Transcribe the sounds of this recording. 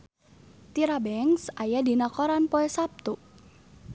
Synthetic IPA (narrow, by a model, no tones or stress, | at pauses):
t̪iɾabɛŋsajadinakɔɾanpoɛsap̚t̪uʔ